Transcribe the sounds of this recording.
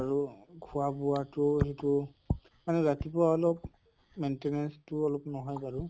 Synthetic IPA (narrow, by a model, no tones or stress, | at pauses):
aɹukʰʊabʊwatʊɦitʊ | manɛɹatipʊɹaɔlɔp | mentenɛnstʊɔlɔpnɔɦɔjbaɹʊ